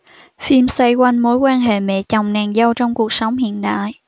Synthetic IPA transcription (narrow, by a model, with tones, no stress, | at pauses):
fi˧msə˧jkwa˧nmo˨˦jkwaː˧nɦḛ˧˨mɛ̰˧˨t͡ɕɔ˨˩wŋ͡mnaː˨˩nzə˧wt͡ɕɔ˧wŋ͡mku˨˩ək̚sə˨˦wŋ͡mhḭ˧˨ənɗa̰ː˧˨j